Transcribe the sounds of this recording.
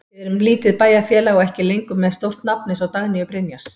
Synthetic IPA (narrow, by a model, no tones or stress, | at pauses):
ɛɾʏmliːt̪ɪðpaːjafjɛːlaɣɔɛhcɪlejŋkʏmːɛðst̪owr̥t̪napnɪsɔwt̪aɣnɪjʏpɾɛnjaɾs